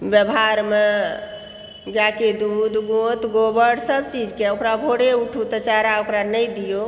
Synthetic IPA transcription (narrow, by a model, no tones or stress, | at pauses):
bjəbʱɦaɾme | ɡaked̪ud̪ɡot̪ɡobəɽsəbt͡ʃid͡ʒkeokɾabʱoɽeuʈʰut̪ət͡ʃaɾaokɾanəjd̪ijo